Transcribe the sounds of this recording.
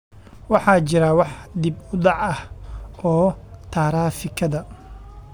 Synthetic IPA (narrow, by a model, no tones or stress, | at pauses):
wɑħɑːt͡ʃɪɾɐwɑħd̪ibʊɖɑʕɐhɔːt̪ʰaːɾaːfɪkʰɐðɐ